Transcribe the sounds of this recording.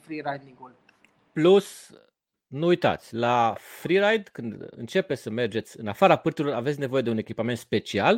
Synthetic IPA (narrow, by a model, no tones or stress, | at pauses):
fɾiɾajd̪iŋɡul | plus | nuujt̪a̰t̪sʲlafɾiɾajd̪kɨnd̪ɨ̰nt͡ʃe̞pesəme̞rd͡ʒe̞t̪sʲɨ̰nafaɾapɨrt̪ilo̞ɾavet̪sʲne̞vo̞je̞d̪e̞une̞kʲipame̞nt̪spe̞t͡ʃial